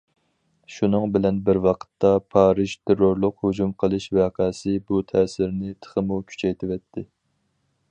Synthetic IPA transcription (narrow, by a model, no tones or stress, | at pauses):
ʃunɨŋbɪlɛnbɪɾwɑqʰə̥t̪ːɑpʰɑːɾɨʃt̪ʰeɾoɾlˠʊqhud͡ʒumqʰəlˠɨʃvɛqʰæsɪbut̪ʰɛːsɪɾnɪt̪ʰə̥χəmukʲʰy̥t͡ʃʰɛjt̪ʰɪwɛt̪ʰːɪ